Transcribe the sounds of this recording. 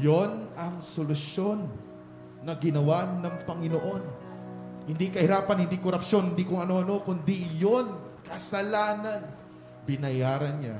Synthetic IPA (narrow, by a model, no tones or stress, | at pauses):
jonɐŋsolʊsjo̞nː | ɐɡɪnɐwanɐŋpɐŋɪnoʔo̞n | hɪnd̪ikɐhɪɾaːpɐnhɪnd̪ikoɾɐpʃo̞nhɪnd̪ikʊŋɐno̞ʔɐno̞kʊnd̪ijo̞n | kɐsɐlaːnɐn | bɪnɐjaːɾɐnɲa̰